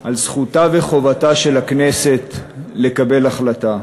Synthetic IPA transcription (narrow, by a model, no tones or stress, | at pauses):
alsχutave̞χo̞vataʃe̞laknese̞tle̞kabe̞laχlata